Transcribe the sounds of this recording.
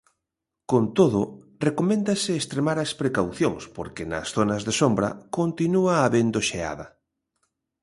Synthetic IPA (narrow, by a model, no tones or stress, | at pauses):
kont̪oðʊ | rekomẽnd̪ɐsɪːst̪ɾemaɾɐspɾekawθjoŋspoɾkenɐ̰sθonɐzðesombɾɐ̰kont̪inuaːβend̪oʃea̰ðɐ